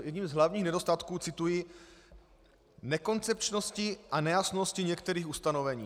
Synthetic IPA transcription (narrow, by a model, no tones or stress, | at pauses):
jɛdɲiːmzɦlavɲiːxnɛdo̞st̪at̪kuːt͡sɪt̪ujɪ | nɛko̞nt͡sɛp̚t͡ʃno̞scɪʔanɛjasno̞scɪɲɛkt̪ɛɾiːxust̪ano̞vɛɲḭː